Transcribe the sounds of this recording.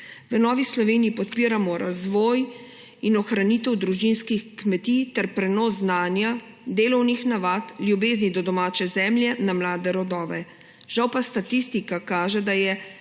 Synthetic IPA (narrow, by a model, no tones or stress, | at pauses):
ʋənɔːʋislɔʋeːniipɔt̪piːɾamɔɾazʋɔːj | inɔxɾaniːt̪ɛwd̪ɾuʒinskixkmɛt̪it̪ɛɾpɾɛnɔːsznaːnja | d̪eːlɔwnixnaʋaːt̪ljubeːznid̪ɔd̪ɔmaːt͡ʃɛzɛmljɛnamlaːd̪ɛɾɔd̪ɔːʋɛ | ʒ̥awpast̪at̪ist̪ikakaːʒɛd̪ajɛ